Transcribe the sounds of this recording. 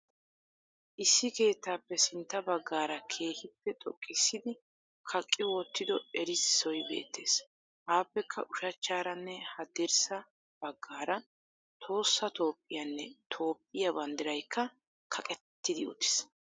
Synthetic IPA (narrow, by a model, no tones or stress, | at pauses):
ʔɪsːɪke̞ːt̪ːaːpːɛsɪnt̪ːɐbɐɡːaːɾɐkʰe̞ːhɪpːɛt̪ʼɔ̰kʼːɪsːɪd̪ɪ | kʰɐkʼːɪwɔt̪ːɪd̪ɔɛɾɪssɔjbe̞̰ːt̪ːe̞̰ːs | haːpːɛkʰːɐ̰ʔʊʃɐt͡ʃːaːɾɐnːɛhɐd̪ɛɾsɐ | b̥ɐɡːaːɾɐn | t̪ʰo̞ːsːɐt̪o̞ːpʼːɪjɐnːɛt̪ʰo̞ːpʼːɪjɐbɐnd̪ɪɾɐjkʰːɐ | kʰɐkʼɛt̪ːɪd̪ɪʊ̰t̪ːɪ̥s